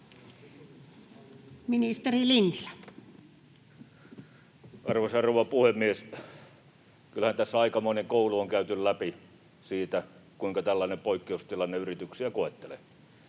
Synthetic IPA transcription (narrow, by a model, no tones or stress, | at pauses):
minist̪erilinːilæ | ʔɑrʋesɑrouʋˑɑpuhemːies | kylhænt̪æsːæɑikɑmoˑineŋkouluoŋkæˑyt̪yllæpi | siːt̪ækuiŋkɑt̪ælːæˑinempoˑikːeust̪ilɑnːeyrit̪yksiækoˑet̪ːelḛ